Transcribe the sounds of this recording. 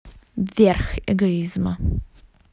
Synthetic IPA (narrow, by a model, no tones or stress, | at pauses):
vʲɛɾxɛ̰ɡɔizmɐ